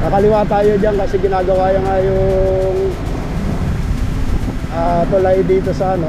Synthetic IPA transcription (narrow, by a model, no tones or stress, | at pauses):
mɐkɐlɪwat̪aːjod͡ʒaŋkɐsɛɡɪnaːɡɐwaːjɐŋajʊŋ | ʔat̪olajd̪iːt̪osɐɐno